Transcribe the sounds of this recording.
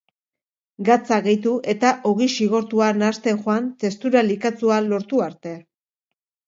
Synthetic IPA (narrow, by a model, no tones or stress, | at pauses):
ɡat͡saɣe̞jt̪uʔe̞t̪aʔo̞ɣ̞isiɣ̞o̞ɾt̪uanast̪e̞xoant̪e̞st̪uɾalikat͡sualo̞ɾt̪uaɾt̪e̞